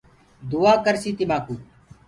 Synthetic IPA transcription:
d̪uaːkəɾsiːt̪ɪmaːkuː

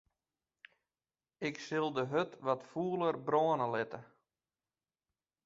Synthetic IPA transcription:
ɪksɪlˠdəɦøtʋɔtfuːəlˠərbroːənəlɪtə

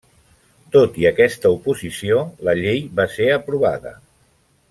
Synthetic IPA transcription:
t̪ot̪iəkɛst̪əupuzisioləʎejβaseəpɾuβ̞a̰ðə̰

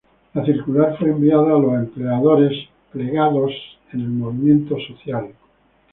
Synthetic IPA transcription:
laθiɾkulaɾfweːmbiaðaːlose̞mpleaðoɾes | pleɣaðos | ene̞lmoβimjẽ̞nt̪osoθjal

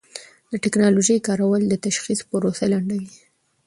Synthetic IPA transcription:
d̪əʈɪknɑloʒəjkɑɾawəld̪ət̪aʃxispəɾosalaɳɖawi

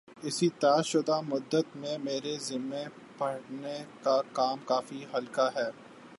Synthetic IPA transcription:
ɪsit̪aːʃʊd̪amʊd̪ːət̪mẽmeːɾezɪmːẽ | pɐɽnekakaːmkaːfiɦɐlkaɦɛː

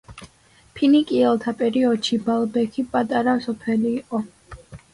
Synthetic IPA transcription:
pʰinikʼiɛlˠt̪ʰapʼɛɾiɔd̪̥ʃibalˠbɛkʰipʼat̪ʼaɾasɔpʰɛliːqʼɔ

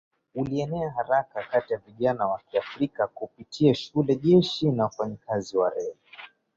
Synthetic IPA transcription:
uliɛnɛaɦaɾakakatijaviʄanawakiafɾikakupitʰiaʃulɛʄɛʃinawafaɲikaziwaɾɛhɛ

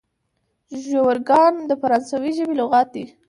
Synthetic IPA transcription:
ʒowəɾɡɑnd̪əfaɾɑnsawiʒəbeloɣɑt̪̚d̪i

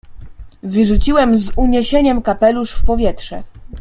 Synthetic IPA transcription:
vɘʐut͡ɕiwɛmzuɲeɕeɲɛmkapɛluʂfpɔvʲjɛt̪ʂɛ̰

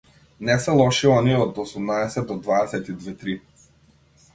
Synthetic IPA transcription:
nɛsɛlˠɔʃiɔniɔd̪ɔsumnaɛsɛt̪ːɔd̪vaɛsɛt̪id̪vɛt̪ɾi

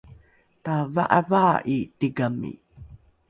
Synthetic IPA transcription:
tava̰ʔavaʔitiɡamḭ

